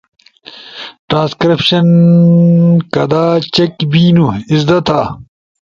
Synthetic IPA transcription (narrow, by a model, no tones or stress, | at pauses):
ʈɾãːnskɾipɕɐn | kɐd̪aːt͡ɕekbiːnuizd̪ɐt̪ʰaː